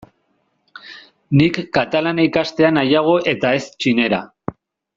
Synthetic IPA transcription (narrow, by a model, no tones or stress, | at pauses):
nikːat̪alanikast̪e̞anajaɣ̞o̞ʔe̞t̪ae̞st͡ʃine̞ɾa̰